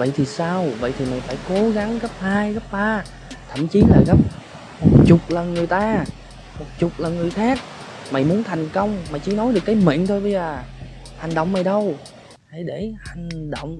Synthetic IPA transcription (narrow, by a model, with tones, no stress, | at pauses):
və̰˧˨jt̪ʰi˨˩saː˧wvə̰˧˨jt̪ʰi˨˩ma˨˩ŋ̟faː˧˩jko˨˦ɣa˨˦ŋɣə˦˥p̚haː˧jɣə˦˥p̚t̪aː˧ | t̪ʰə˧˨mt͡ɕi˨˦laː˨˩ɣə˦˥p̚ | mo˨˩t̚t͡ɕʊ˨˩k͡p̚lə˨˩nŋɨ˨˩əjt̪aː˧ | mo˨˩t̚t͡ɕʊ˨˩k͡p̚lə˨˩nŋɨ˨˩əjxaː˦˥k̚ | ma˨˩jmu˨˦ənt̪ʰa˨˩jŋ̟kə˧wŋ͡mmaː˨˩jt͡ɕɨ̰˧˩˦nɔ˨˦jɗɨ˨˩əkːjmḭ˧˨nt̪ʰo˧jɓə˧jzəː˨˩ | ha˨˩jŋ̟ɗo̰˧˨wŋ͡mma˨˩jɗə˧w | e˧˩ɗe˧˩ha˨˩jŋ̟ɗo̰˧˨wŋ͡m